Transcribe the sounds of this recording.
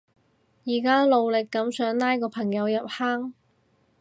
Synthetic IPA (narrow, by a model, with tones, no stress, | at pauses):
jiː˨˩kaː˥lo˧wlɪ˨kːɐ˨˥msœː˨˥ŋnaː˥jkɔː˧pʰɐ˨˩ŋjɐ˨˧wjɐ˨p̚haː˥ŋ